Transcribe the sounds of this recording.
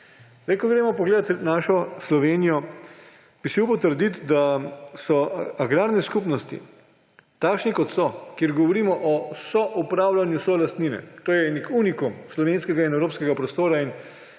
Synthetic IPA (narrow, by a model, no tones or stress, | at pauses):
zd̪ɛjkɔɡɾemɔpɔɡleːd̪at̪naʃɔslɔʋeːnijɔ | b̥iʃmewpɔt̪əɾd̪it̪d̪asɔaɡɾaːɾnɛskupnɔst̪ḭ | t̪aːkʃnikɔt̪sɔkjeɾɡɔʋɔɾiːmɔʔɔsɔʔupɾaːwlanjusɔlast̪niːnɛ̰t̪oːjɛnikunikumslɔʋenskɛɡainɛwɾoːpskɛɡapɾɔst̪oːɾain